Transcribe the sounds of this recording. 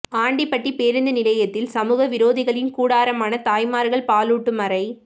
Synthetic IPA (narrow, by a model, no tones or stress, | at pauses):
aːɳɖipːɐʈːipeːɾɯnd̪ɐnɪlɐjɐt̪ːɪlsɐmuːɣɐʋɪɾoːðɪɣɐɭɪnkuːɽaːɾɐmaːnɐt̪aːjmaːɾɣɐɭpaːluːʈːɯmɐɾɐɪ